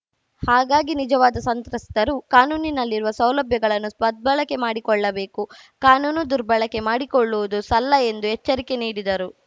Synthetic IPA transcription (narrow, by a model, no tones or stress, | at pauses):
haːɡaːɡinid͡ʒɐʋaːd̪ɐsɐnt̪ɾɐst̪ɐɾukaːnuːninɐlːiɾuʋɐsɐwlɐbʱjɐɡɐɭɐnːuspɐd̪̚bɐɭɐkːemaːɽikɔɭːɐbe̞ːku | kaːnuːnud̪uɾbɐɭɐkemaːɽikɔɭːuʋud̪usɐlːɐe̞nd̪uɦɛt͡ʃːɐɾike̞niːɽid̪ɐɾu